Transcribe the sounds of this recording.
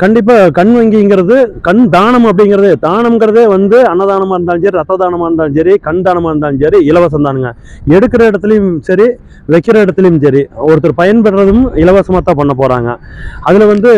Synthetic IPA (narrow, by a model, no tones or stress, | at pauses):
kɐɳɖɪp̬ːaːkɐɳʋɐŋɡɪŋɡɪɾɐðɯkɐɳd̪aːɳɐmɐpːɐɽɪŋɡɪɾɐðɯd̪aːɳɐmŋɡɐɾɐðeːʋɐnd̪ɯɐnːɐðaːnɐmaːɾɯnd̪aːsɐːɾiɐt̪ːɐd̪aːnɐmaːɾɯnd̪aːsɐɾikɐɳd̪aːɳɐmaːɾɯnd̪aːnɐɾiɪlɐʋɐs̬ɐmd̪aːnɯŋɡɐ | ɛɽɯkːɪɾɐɪɽɐt̪ːɯljɯmsɐɾi | ʋɛkːɪɾɐɪɽɐt̪ːɪlɐjɯmsɐɾiɔɾɯt̪ːɐɾɯpɐjɐnpɐʈːrɐðɯmɪlɐʋɐsɐmaːt̪ːãːpɐɳːɐpoːɾa̰ːŋɡɐ̰ɐðɪlʋɐnd̪ɯ